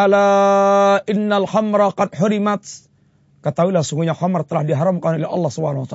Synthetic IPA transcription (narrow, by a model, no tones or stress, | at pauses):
ala | ʔɪnːalxamɾɑqɑdħʊɾimat̪ | kət̪awilasuŋɡuɲaxamrt̪əlahdiɦaɾamkanɔlɛɑ̰lːɑhsubanahwat̪a